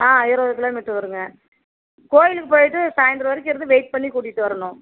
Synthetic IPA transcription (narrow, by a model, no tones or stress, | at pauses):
aːɪɾɐʋðɯk̬ːɐlãːmɛʈːɯʋɐɾɯŋɡɐ | koːjɪlɯkːɯpoːjʈːɯsaːjɐnd̪ɾɐʋɐɾɪkːɪɾɐnd̪ɯʋeɪʈ̚pɐɳːikuːɽɪʈːɯʋɐɾɐɳʊ̃